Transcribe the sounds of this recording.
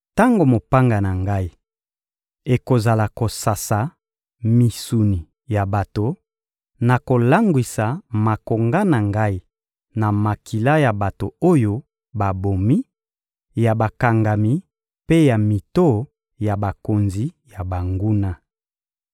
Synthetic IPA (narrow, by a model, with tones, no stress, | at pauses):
ta˦ŋɡo˨mo˨pa˦ŋɡa˨na˨ŋɡa˦i˦ | e˨ko˨za˨la˨ko˨sa˨sa˨ | mi˨su˨ni˨ | ja˨ba˨to˨ | na˨ko˨la˦ŋɡwi˨sa˨ma˨ko˨ŋɡa˦na˨ŋɡa˦i˦ | na˨ma˨kʰi˨la˦ja˨ba˨to˨o˦jo˦ | ba˨bo˨mi˦ | ja˨ba˨ka˨ŋɡa˨mi˦ | pe˦ja˨mi˨to˦˨ | ja˨ba˨ko˨nzi˨ja˨ba˨ŋɡu˦na˦